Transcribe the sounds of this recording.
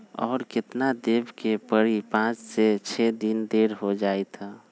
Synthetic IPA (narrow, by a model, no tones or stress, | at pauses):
ɔ̰ːɾkɪt̪nad̪eːbkepəɽipãt͡ʃset͡ʃʰɛd̪ind̪eɾɦod͡ʒaːet̪ʰa